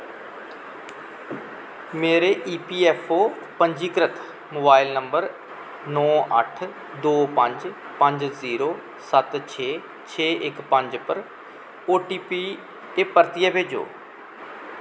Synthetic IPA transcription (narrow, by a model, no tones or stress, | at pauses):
meːɾeːʔiːpiːɛːpʰoː | pəɲd͡ʒiːkɾət̪ʰ | moːbaːɪlnəmbəɾ | nɔːʔə̰ʈʰ | d̪oːpəɲd͡ʒ | pə̃ɲd͡ʒziːɾoː | sət̪t͡ʃʰeː | t͡ʃʰeːʔɪkpəɲd͡ʒpəɾ | oːʈiːpiː | t̪eːpəɾt̪ɪjaːbeːd͡ʒo̰ː